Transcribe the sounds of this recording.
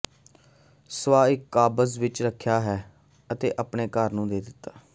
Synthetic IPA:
sʋaːɪkːaːbəzʋɪt͡ʃɾəkʰːjaːɦɛː | ət̪eːʔəpɳeːkəɾnũːd̪eːd̪ɪt̪ːaː

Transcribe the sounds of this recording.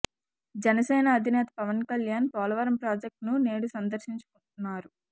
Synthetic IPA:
d͡ʒɛnɐsɛːnɐːd̪ʱinɛːt̪ɐ̥pɐʋɐnkɐljaːnpɔːlɐʋɐɾɐmpɾaːd͡ʒek̚ʈnune̞ːɽusɐnd̪ɐɾʃiɲt͡ʃu̥kuɳt̪unːaːɾu

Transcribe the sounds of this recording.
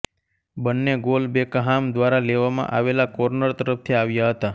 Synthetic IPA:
bənːeɡolbekəɦamd̪ʋaɾaleʋamã̰ʔaʋelakoɾnəɾt̪əɾəft̪ʰiaʋjaɦət̪a

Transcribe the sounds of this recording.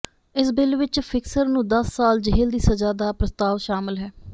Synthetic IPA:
ɪsbɪlʋɪt͡ʃfʰɪksəɾnũːd̪əsːaːld͡ʒəɦɪld̪iːsəd͡ʒaːd̪aːpɾəst̪aːʋʃaːmɪlɦɛː

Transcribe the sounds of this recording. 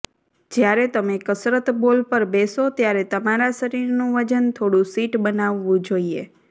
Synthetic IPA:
d͡ʒjaɾet̪əmekəsɾət̪bolpəɾbɛsot̪jaɾɛt̪əmaɾasəɾiɾnũʋəd͡ʒənt̪ʰoɽũsiʈbənaʋːũd͡ʒoie

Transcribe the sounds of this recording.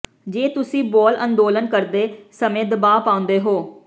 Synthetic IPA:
d͡ʒeːt̪ʊsĩːbɔːlənd̪oːlənkəɾd̪eːsəmẽːd̪əbaːpaːʊ̃nd̪eːɦoː

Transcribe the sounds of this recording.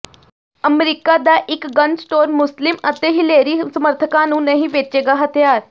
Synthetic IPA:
əmeɾikad̪aʔikɡənsʈoɾmuslimət̪eɦileɾisəməɾt̪ʰəkanũːnəɦiʋet͡ɕeɡaɦət̪jaɾ

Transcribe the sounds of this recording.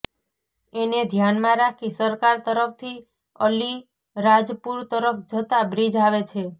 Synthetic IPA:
ened̪ʱjanmãɾakʰisəɾkaɾt̪əɾəpt̪ʰi | əli | ɾad͡ʒpuɾt̪əɾəfd͡ʒət̪abɾid͡ʒaʋet͡ʃʰe

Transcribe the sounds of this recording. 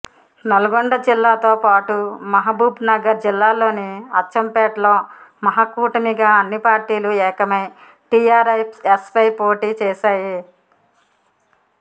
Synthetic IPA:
nɐlɐɡoɳɖɐd͡ʒilːaːt̪oːpaːʈumɐɦɐbuːbnɐɡɐɾd͡ʒilːaːlo̞ːniɐt͡ʃːt͡ʃːɐmpɛːʈlo̞ːmɐɦɐkuːʈɐmiɡaːɐnːipaːɾʈiːluɛːkɐmɐj | ʈijaːɾɐpespɐjpoːʈiːt͡ʃɛːʃaːji

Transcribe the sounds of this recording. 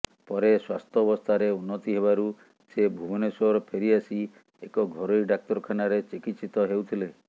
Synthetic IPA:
pɔɾeswast̪ʰɔbɔst̪ʰaɾeunːɔt̪iɦeβaɾu | sebʱubɔnesɔɾɔpʰeɾiasi | ekɔɡʱɔɾoɾiɖak̚t̪ɔɾɔkʰanaɾet͡ʃikit̪sit̪ɔɦewt̪ʰile

